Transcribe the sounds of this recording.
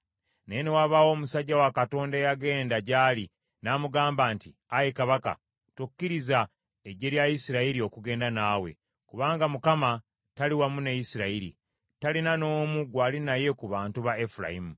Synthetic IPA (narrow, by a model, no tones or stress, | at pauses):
nejenewaβawo̞ːmusaɟːawakato̞ːndaejaɡe̞ːndaɟaːli | naːmuɡaːmbaːnti | ajekaβaka̰ | tukːiɾiza | eɟe̞ɾjajisiɾaiɾio̞kuɡe̞ːndanaːwe̞̰ | kuβaːŋɡamukama | taliwamunejisiɾaiɾḭ | talinano̞ːmuɡwaːlinaje̞kuβaːntuβaefuɾa̰imu